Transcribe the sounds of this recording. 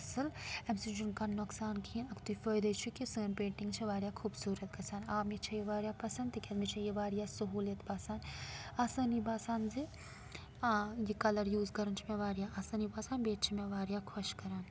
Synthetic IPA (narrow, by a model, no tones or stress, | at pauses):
ɐsɨlɛmsid͡ʒunkanoksaːnkʰĩnɐkt̪ufəːjd̪ət͡ʃʰukisəːnpẽːɳʈĩŋɡt͡ʃʰiʋaːɾijaːkʰuːbsuːɾət̪̚kɐsaːnaːmit͡ʃʰɐjiʋaːɾjaːpɐsɐnd̪ikʲɐt̪mit͡ʃʰɐjiʋaːɾijasɐɦuːlɐt̪baːsaːnaːsanibaːsaːnzi | jikɐlɐɾjuːzkɐɾɐnt͡ʃʰimeʋaːɾjaʔaːsɐnibaːsaːnbeːʈ̚t͡ʃʰimeʋaːɾjaːkʰɐʃkɐɾaːn